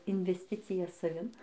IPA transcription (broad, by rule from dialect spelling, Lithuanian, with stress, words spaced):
ɪnʲʋʲɛsʲˈtʲɪt͡sʲɪjɛ sɐˈʋʲɪn